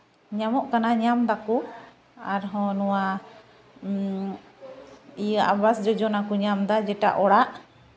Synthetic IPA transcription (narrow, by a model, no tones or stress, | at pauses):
ɲamɔʔkanaɲamd̪akɔ | aɾɦɔ̃nɔwa | ijəabasd͡ʒɔd͡ʒɔnakɔɲamd̪ad͡ʒɛʈa̰ʔɔɽaʔ